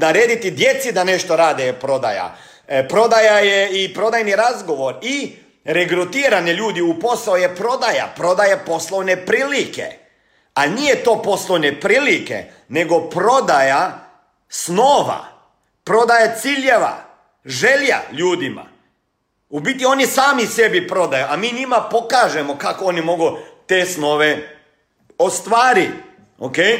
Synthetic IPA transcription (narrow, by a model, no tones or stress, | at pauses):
d̪aɾeːd̪it̪id̪je̞t̪sid̪ane̞ʃt̪o̞ɾaːd̪epɾo̞d̪a̰ja̰ | pɾo̞d̪ajajeipɾo̞d̪ajniɾazɡo̞ʋo̞ɾi | ɾeɡɾut̪iːɾaneʎuːd̪iupo̞saojepɾo̞d̪aja̰pɾo̞d̪ajapo̞slˠoʋnepɾiːlikḛ | anijet̪o̞ːpo̞slˠoʋnepɾiːlikḛ | ne̞ɡo̞pɾo̞d̪aja | snoːʋa̰ | pɾo̞d̪ajat̪siːʎeʋa̰ | ʒelja̰ʎuːd̪ima̰ | ubit̪io̞nisaːmise̞bipɾo̞d̪ajuʔamiːɲimapo̞kaʒemokakoonimo̞ɡut̪e̞sno̞ʋe | ost̪ʋaːɾi | okej